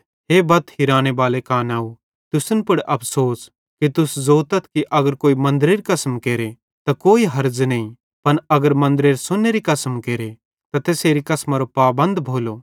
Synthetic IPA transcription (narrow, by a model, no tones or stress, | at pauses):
ɦeːbɐt̪hiɾaːɽ̃ebaːlekaːnaːu | t̪ʊsnpʊɽʔɐpʰsoːs | kit̪ʊszoːt̪ət̪kiʔɐɡəɾkoːimɐ̃nd̪ɾeɾikɐsəmkeːɾe | t̪akoːiɦɐɾd͡ʒnɐĩ | pɐnɐɡəɾmɐ̃nd̪əɾeːɾsʊnːeɾikɐsəmkeːɾe | t̪ɐt̪eːseːɾikɐsmaɾopaːbɐ̃nd̪bʱoːlo